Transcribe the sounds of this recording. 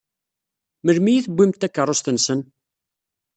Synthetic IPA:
məlmijiθəbʷːimt̪ːækːərˤːost̪ənsən

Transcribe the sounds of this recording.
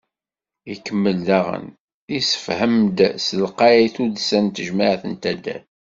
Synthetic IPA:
ikːəmːəlðæʁə̰n | isə̥fhəmd̪səlqɑjæjθud̪sænt̪əʒmaʕθənt̪æd̪æ̰l

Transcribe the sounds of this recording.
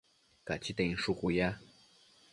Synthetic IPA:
kat͡ɕʰit̪eiŋʂukuja

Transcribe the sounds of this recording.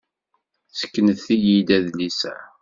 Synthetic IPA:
sə̥kːənəθijid̪æðlisæ̰

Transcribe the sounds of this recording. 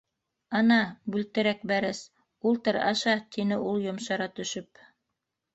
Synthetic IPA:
ɑnɑbʉlt̪ɘ̆ɾæk̚bæɾɘs | ulˠt̪ɤɾɑ̰ʃɑt̪inɘʔulˠjŏmʃɑɾɑt̪ɵ̆ʃɵp

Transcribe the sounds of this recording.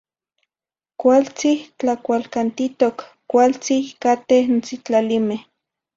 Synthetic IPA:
kʷalt͡siht͡ɬakʷalkant̪it̪okːʷ | alt͡sikat̪ehnt͡sit͡ɬalimeh

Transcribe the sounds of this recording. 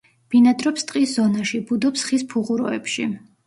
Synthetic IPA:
b̥inad̪ɾɔpst̪ʼqʼiszɔnaʃibud̪ɔpsχispʰuʁuɾɔɛ̰pʃḭ

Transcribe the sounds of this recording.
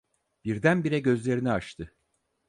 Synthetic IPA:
b̥iɾd̪ænbiɾɛɟø̞zlʲe̞ɾiniaʃt̪ʰɯ

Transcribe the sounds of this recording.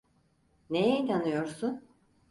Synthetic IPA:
nejɛinanɯjo̞ɾsun

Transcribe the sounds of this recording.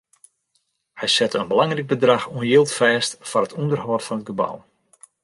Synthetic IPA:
hɛjsɛtənbəlɑŋrik̚bədraxuənjɪlˠtfɛːstfɔrɦətʰundərhɔːtfɔnət̚ɡəba̰w

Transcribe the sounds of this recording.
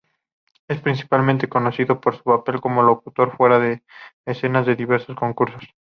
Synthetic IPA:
e̞spɾinθi̥palmẽnt̪e̞ko̞noθiðopoɾsu̥pape̞lko̞mo̞lo̞kut̪o̞ɾfwe̞ɾaðeːsenazðe̞ðiβ̞e̞ɾso̞sko̞ŋkuɾsos

